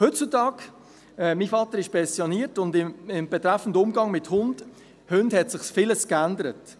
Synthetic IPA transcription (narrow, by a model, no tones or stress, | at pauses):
hʏtt͡sutɑːk | ɛmifɑtəɾɪʃpɛnsjoniːətʊndɪɪmb̥ɛtɾæfəndəʊmɡɑŋmɪthʊnd̥ | hʉndhɛtsɪχsfɪləskændəɾət